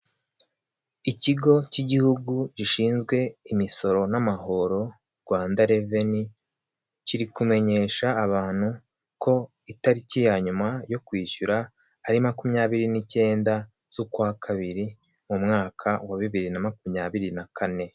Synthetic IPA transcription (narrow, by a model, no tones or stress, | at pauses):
iciɡo̞ciɟihuɡuɟiʃiːnzɡwe̞imiso̞ɾo̞namaho̞ɾo̞ | ɾɡwaːndaɾe̞veni | ciɾikume̞ɲe̞ːʃaːβaːn̥hu | ko̞ | itaɾicijaɲumajo̞kwiːʃuɾaː | ɾimakumɲaːβiɾinice̞ːnda | z̥ukwakʰaβiɾi | mumŋaːkʰawaβiβiɾinamakumɲaːβiɾinakʰane̞